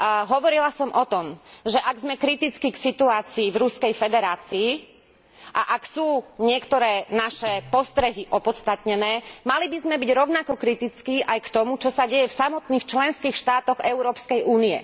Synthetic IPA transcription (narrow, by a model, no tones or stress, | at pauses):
ɦɔʋɔɾilasɔmʔɔt̪ɔmʒɛʔaɡzmɛkɾit̪it͡skiksit̪uaːt͡siːvɾuskɛjfɛd̪ɛɾaːt͡siː | ʔaʔaksuːɲɪɛkt̪ɔɾɛːnaʃɛpɔst̪ɾɛɦiʔɔpɔt̪t͡st̪at̪ɲɛnɛːmalibizmɛbiɟɾɔʊnakɔkɾit̪it͡skiːʔajkt̪ɔmut͡ʃɔsaɟɛjɛfsamɔt̪niːxt͡ʃlɛnskiːxʃt̪aːt̪ɔɣɛʊɾɔːpskɛjʔuːniɛ̰